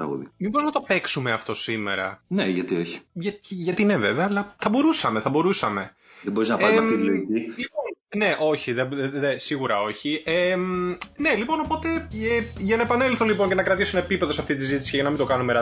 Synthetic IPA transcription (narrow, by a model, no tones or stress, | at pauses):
ɾɐ̰ɣo̰ðḭmiboiznɐt̪o̞pe̞ksume̞ɐft̪o̞sime̞̰ɾɐ̰neʝɐt̪io̞çi̥ʝɐʝɐt̪ineveveɐːlɐθɐbo̞ɾusɐme̞θɐbo̞ɾusɐme̞ | ðebo̞ɾiznɐpɐɾmɐft̪it̪iloiilipo̞nne̞ʔo̞çiðebððesiɣuɾɐo̞çiemne̞lipo̞no̞po̞t̪e̞eʝɐnɐepɐnelθolipo̞ɲce̞nɐkɾɐt̪isunɐepipe̞ðosɐft̪it̪̬izit̪i̥siceʝɐnɐmind̪okɐnumeɾɐ